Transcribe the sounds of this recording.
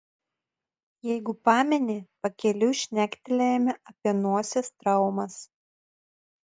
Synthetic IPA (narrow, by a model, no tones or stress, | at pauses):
jɛɪɡʊpɑːmʲɛnʲeːpɐkʲɛlʲʊʃʲnʲæːkʲt̪ʲɪlʲejɛmʲɛʔɐpʲiɛnuɔsʲɛst̪ɾɐˑʊmɐs